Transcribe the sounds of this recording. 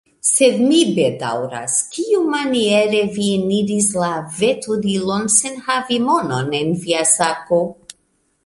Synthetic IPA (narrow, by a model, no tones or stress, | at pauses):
se̞dmibeda̰wɾa̰skiumanieɾe̞vieniɾislave̞tudilonsenhavimononenviasako